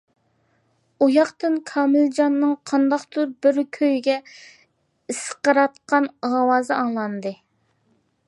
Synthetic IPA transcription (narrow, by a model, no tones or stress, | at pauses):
ujɑqt̪ɨnkʰɑːmɪld͡ʒɑnːɨŋqʰɑnd̪ɑqt̪ʰuɾbɪɾkʲʰøjɡʲɛ | ɨsə̥qəɾɑt̪̚qɑnʁɑwɑːzɨɑŋlˠɑnd̪ɨ